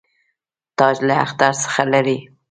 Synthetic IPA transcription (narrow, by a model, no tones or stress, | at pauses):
t̪ɑʒlaa̰xt̪aɾsə̥xalaɾi